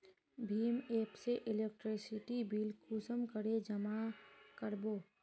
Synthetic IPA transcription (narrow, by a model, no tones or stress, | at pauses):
bʱiːmeːpseʔɪlek̚ʈɾisɪʈibilkʰusəmkəɾed͡ʒəmakəɾboː